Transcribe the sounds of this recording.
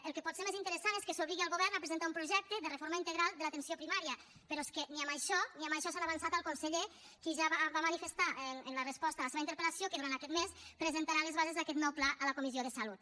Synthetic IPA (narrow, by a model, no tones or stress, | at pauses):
əlˠkepɔt̪seɾmezint̪əɾəsaneskesoβliɣialˠɣoβɛɾnapɾezent̪aumpɾuʒɛk̚t̪əðərefoɾmaint̪əɣɾalˠd̪əlat̪ensiopɾimaɾiə | peɾɔeskeniamajʃɔniamajʃɔsanaβansat̪alˠkunseʎe | kiʒaβaβamanifest̪aʔnənlərespɔst̪alaseβaint̪əɾpelasiokeðuɾant̪akɛt̪mespɾezent̪aɾalezβazezðakɛt̪nɔwplaʔələkomizioðəsalut̪̚